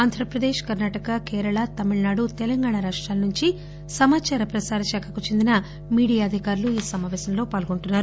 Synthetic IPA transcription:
aːnd̪ʱɾɐpɾɐd̪eːʃkɐɾnaːʈɐkɐkeːɾɐɭɐt̪ɐmiɭɐnaːɽut̪ɛlɐŋɡaːɳaɾaːʂʈɾaːlɐnuɲt͡ʃi | sɐmaːt͡ʃaːɾɐpɾɐsaːɾɐʃaːkʰɐkut͡ʃe̞nd̪inɐ | miːɽijaːɐd̪ʱikaːɾuluiːsɐmaːʋɛːsɐmlo̞ːpaːlɡo̞ɳʈunːaːɾu

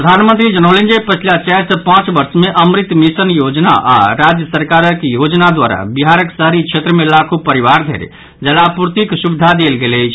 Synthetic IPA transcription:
pɾəd̪ʱanmə̃nt̪ɾid͡ʒənəlend͡ʒəjpət͡ʃʰilat͡ʃajɾsəpãt͡ʃbəɾsmeʔəmɾit̪ːmisənjod͡ʒna̰ʔa̰ɾad͡ʒjəsəɾkaɾəkjod͡ʒnad̪waɾa̰biɦaɾəksəɦɾikt͡ʃʰet̪ɾəmelakʰupəɾiβaɾd̪ʱḛɾḛ | d͡ʒəlapuɾt̪iksubid̪ʱad̪elɡeləjt͡ʃʰ

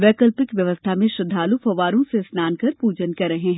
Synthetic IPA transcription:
ʋɛːkəlpɪkʋjɐʋəst̪ʰamẽʃɾɐd̪ʱːaːlufʰɐʋaːɾõsesnaːnkɐɾpuːd͡ʒənkɐɾːɐɦeɦɛ̃ː

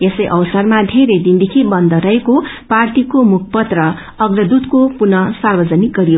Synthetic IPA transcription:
esʌjʔʌbʌsʌrmad̪ʱeɾed̪ind̪ikʰibʌnd̪ʌɾʌekopart̪ikomukʰpʌt̪rʌː | ɡrʌd̪ut̪kopunʌsarbʌd͡zʌnik̚ɡʌɾijo

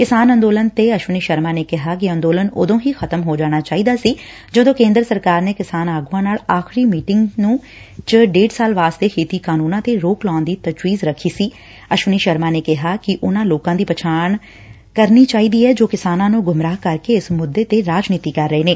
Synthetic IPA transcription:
kɪsaːnənd̪oːlənt̪eːəʃʋəniːʃəɾmaːneːkɪɦaːkɪə̃nd̪oːlənʊ̰d̪õːɦiːxʰət̪əmɦoːd͡ʒaːɽ̃aːt͡ʃaːiːd̪aːsiː | d͡ʒəod̪õːkẽːnd̪ɾəsəɾkaːɾneːkɪsaːnaːɡuãːnaːlaːxʰɾiːmiːʈɪŋɡnũː | t͡ʃəɖeːɖsaːlʋaːst̪eːheːt̪iːkaːnũːnãːt̪eːɾoːklãːnd̪iːt̪ət͡ʃwiːzɾəkʰːiːsiː | əʃʋəniːʃəɾmãːneːkɪɦaːkɪʔʊnãːloːkãːd̪iːpət͡ʃʰaːɳ | kəɾniːt͡ʃaːiːd̪iːɛːd͡ʒoːkɪsaːnãːnũːɡʊmɾaːɦkəɾkeːɪsmʊd̪ːeːt̪eːɾaːd͡ʒniːt̪iːkəɾːəeːneː

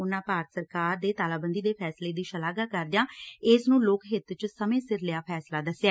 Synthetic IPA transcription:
ʊnːãːpaːɾt̪səɾkaːɾd̪eːt̪aːlaːbənd̪iːd̪eːpʰɛːsleːd̪iːʃəlaːɡaːkəɾd̪ɪjãːɪsnũːloːkɦɪt̪t͡ʃsəmẽːsɪɾlɪjaːpʰɛːslaːd̪əsjaː

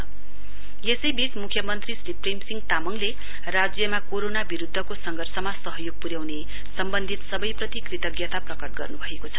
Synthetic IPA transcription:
jesʌjbit͡smukʰjʌmʌnt̪risriprejmsiŋɡt̪amʌŋle | rad͡zjʌmakoɾonabiɾud̪ʱːʌkosʌŋɡʱʌrsʌmasʌɦʌjoɡ̚puɾjawne | sʌmbʌnd̪ʱit̪sʌbʌjprʌt̪ikrit̪ʌɡjʌt̪aprʌkʌʈ̚ɡʌrnubʱʌekot͡sʰʌ̥

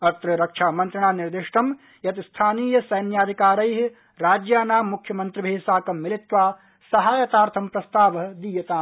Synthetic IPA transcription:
ɐt̪ɾɐɾɐkʃʰaːmɐ̃nt̪ɾɐɳ̃aːnɪɾd̪ɪʃʈɐm | jɐt̪ist̪ʰaːniːjɐsɐjnjaːd̪ʱikaːɾɐjɦ | ɾaːd͡ʒjaːnaːmːukʰjɐmɐnt̪ɾibʱeːsaːkɐmːɪlɪt̪ʋaː | sɐɦaːjɐt̪aːɾt̪ʰɐmpɾɐst̪aːʋɐɦ̆d̪iːjɐt̪aːm

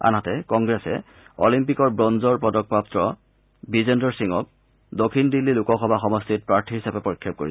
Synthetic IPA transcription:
a̰nɦatɛkɔŋɡɹɛsɛ̰ | ɔ̰limpikɔɹbɹɔnzɔɹpɹɔdɔk̚paptɹɔ | bizendɔɹsiŋɔ̰k | dokʰindilːilukɔxɔbʱaxɔmɔstit̚pɹaɹtʰiɦisabɛpoɹikʰːɔp̚koɹis

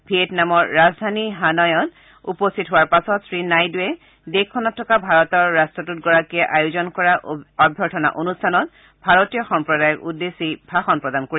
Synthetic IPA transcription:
bʱietnamɔɹːazdʱaniɦanɔjɔn | upɔstʰitɦʊwaɹpasɔtsɹinajduɛ | dekʰːɔnɔtʰːɔkabʱaɹɔtɔɹːastɔtutɡɔɹakiɛʔajuzɔnkɔɹaʔɔbʱjɔɹtʰɔna̰ʔonustʰanɔt̚ | bʱaɹotijɔxɔmpɹɔdajɔkudesibʱaxɔnpɹɔdankoɹi

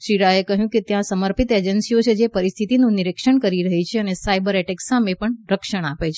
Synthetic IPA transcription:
ʃiɾaekəɦjũket̪jãsəməɾpit̪ed͡ʒənsiot͡ʃʰed͡ʒepəɾist̪ʰit̪inũniɾekʃəɳkəɾiɾəɦit͡ʃʰeənesaibəɾeʈeksamepəɳɾəkʃəɳ̃apet͡ʃʰe

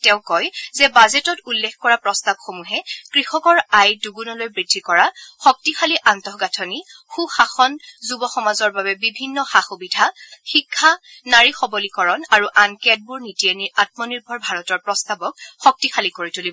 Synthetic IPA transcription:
tɛ̃ʊ̃kɔjzɛbazetɔtulːekkɔɹapɹɔstab̚xomuɦɛkɹixɔkɔɹajduɡunɔlojbɹidʱːikɔɹaxɔk̚tixaliʔantɔɦɡatʰɔnixuxaxɔnzubɔxɔmazɔɹbabɛbibʱinːɔxaxubidʱaxikʰːa | naɹixɔbɔlikɔɹɔnaɹuʔankɛd̚buɹnitiɛniat̚mɔniɹbʱɔɹbʱaɹɔtɔɹpɹɔstabɔk̚xɔk̚tixʰalikoɹitulibɔ

